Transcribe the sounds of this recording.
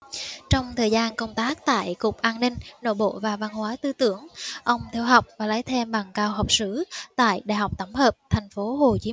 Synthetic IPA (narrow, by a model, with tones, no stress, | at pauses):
t͡ɕɔ˧wŋ͡mt̪ʰəː˨˩jzaː˧nkə˧wŋ͡mt̪aː˦˥k̚t̪a̰ː˧˨jkʊ˨˩k͡p̚ʔaː˧nnï˧ŋ̟no̰˧˩ɓo̰˧˨vaː˨˩va˧nhwaː˨˦t̪ɨ˧t̪ɨ˨˧˥əŋʔə˧wŋ͡mt̪ʰi˧wɦa˨˩wk͡p̚vaː˨˩laː˨˦jt̪ʰe˧mɓa˨˩ŋkaː˧wɦa˨˩wk͡p̚sɨ˧˩˥t̪a̰ː˧˨jɗa̰ː˧˨jɦa˨˩wk͡p̚t̪ə˧˩mŋ͡mhəː˨˩p̚t̪ʰɛ˨˩ŋ̟fo˨˦ho˨˩t͡ɕi˨˦